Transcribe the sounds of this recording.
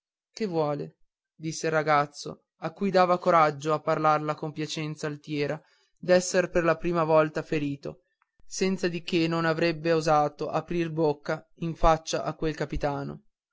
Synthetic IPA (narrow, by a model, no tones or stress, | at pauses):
kevːwɔːle | d̪isːelrːaɡat̪sːo̰ | akːujd̪aːvakoɾad͡ʒːoapːarlarlakompjat͡ʃɛnt̪saːlt̪jɛːɾa | d̪ɛsːerperlapɾiːmavɔlt̪afeɾiːt̪o̰ | sɛnt̪sad̪ik̟enːonavɾɛbːeozaːt̪oʔapɾirbokːa | iɱfat͡ʃːaʔakːwelkapit̪aːno̰